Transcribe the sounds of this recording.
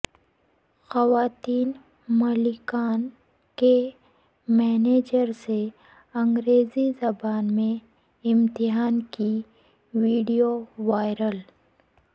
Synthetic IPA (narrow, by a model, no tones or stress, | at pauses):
xɐwaːt̪iːn | mɐlikaːn | ke | mɛːneːd͡ʒəɾse | ɐ̃ŋɡɾeːzizɐbaːnmẽ | ɪmt̪ɪɦaːnki | ʋiːɖijoʋaːɪɾəl